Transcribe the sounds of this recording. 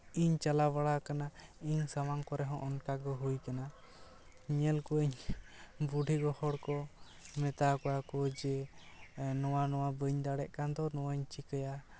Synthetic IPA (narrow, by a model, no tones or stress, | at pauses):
iɲt͡ʃalabaɽakanaiɲsamaŋkɔɾɛɦɔ̃ʔɔnkaɡɔɦujkana | ɲɛlkuəɲ | buɖʱiɡɔhɔɽkɔ | mɛt̪akɔjakɔd͡ʒɛ | nɔwanɔwabəɲd̪aɽɛʔkand̪ɔnɔwaɲt͡ʃikəja